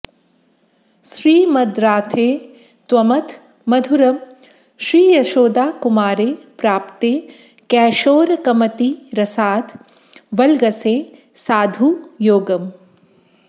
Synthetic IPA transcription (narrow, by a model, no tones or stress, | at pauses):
ʃɾiːmɐd̪ɾaːt̪ʰeː | t̪wɐmɐt̪ʰ | mɐd̪ʱuɾɐm | ʃɾiːjɐʃoːd̪aːkumaːɾeːpɾaːpt̪eː | kɛːʃoːɾkɐmɐt̪iɾɐsaːd̪ | ʋɐlɡɐseː | saːd̪ʱujoːɡɐm